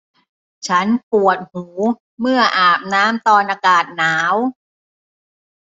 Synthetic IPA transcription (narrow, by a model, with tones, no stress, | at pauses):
t͡ɕʰa˦˥npu˨˩ət̪̚huː˩˦ | mɯ˥˩ɐʔaː˨˩p̚naː˦˥mt̪ɔː˧nʔaː˧kaː˨˩t̪̚naː˩˦˥w